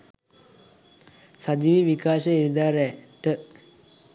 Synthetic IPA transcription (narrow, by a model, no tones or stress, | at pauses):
sad͡ʒiʋiʋikaːʃəiɾid̪aːɾɛʈə